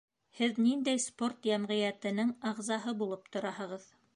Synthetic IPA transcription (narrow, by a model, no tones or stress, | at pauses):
hɘðnind̪æjsport̪jæmʁɘ̆jæt̪ɘ̆nɘŋɑʁzɑɦɤbulˠɤp̚t̪ŏɾɑhɤ̆ʁɤð